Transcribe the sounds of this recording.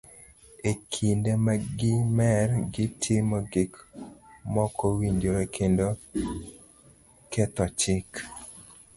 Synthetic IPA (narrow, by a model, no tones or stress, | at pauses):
ekʰindemaɡɪmɛrɡɪtʰjemɔɡɪk | mɔkʰɔwiɲd͡ʒoɾekʰendo | kɛt̪ɔt͡ʃɪk